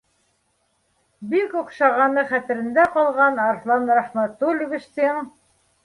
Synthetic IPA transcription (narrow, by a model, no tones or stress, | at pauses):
bikuqʃɑʁɑnɤχæt̪ɘ̆ɾɘ̆nd̪æqɑlˠʁɑnɑɾflˠɑnɾɑχmæt̪ulʲuβɘ̆ʃt̪iŋ